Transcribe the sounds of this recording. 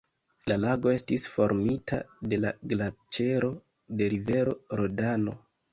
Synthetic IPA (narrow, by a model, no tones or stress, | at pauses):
lalaɡo̞e̞stisfo̞ɾmitʰa̰de̞laɡlat͡ʃe̞ɾo̞ | de̞ɾive̞ɾo̞ɾodano̞̰